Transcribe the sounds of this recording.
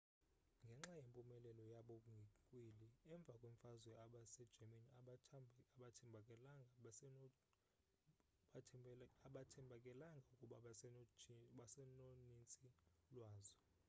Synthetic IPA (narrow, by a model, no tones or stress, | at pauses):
ŋɡʱɛŋ͡ǁajempʼumɛlɛlɔjaɓɔk̬ʼuŋɡʱikʼwiliɛɱb̪vʱakʼweɱfazwɛaɓasɛ̥d͡ʒ̥ʱamana | aɓatʰɛmʱkʼɛlaŋʱa | aɓatʰɛmbʱakʼɛlaŋɡʱaukʼuɓa | ɓasɛnonint͡sʼilwaːzɔ